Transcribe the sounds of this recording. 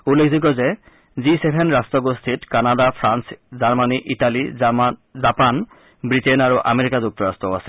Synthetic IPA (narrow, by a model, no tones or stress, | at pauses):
ulːekʰzik̬ɔze | zisebʰʱenɹastɔɡost̪ʰitkanadapʰɹanszaɹmaniʔitali | zapan | bɹitenaɹuʔa̰meɹikazuk̚tɔɹastɔasɛ̥